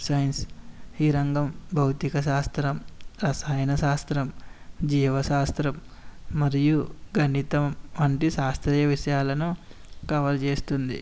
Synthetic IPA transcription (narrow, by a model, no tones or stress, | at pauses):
sɐjnshiɾɐŋɡɐmbʱɐwt̪ikɐʃaːst̪ɾɐmɾɐsaːjɐnɐʃaːst̪ɾɐmd͡ʒiːʋɐʃaːst̪ɾɐmː | ɐɾijuɡɐnit̪ɐmʋɐɳʈiʃaːst̪ɾɛːjɐʋiʂɐjaːlɐnu | kɐʋɐlɐt͡ʃeːst̪und̪ḭ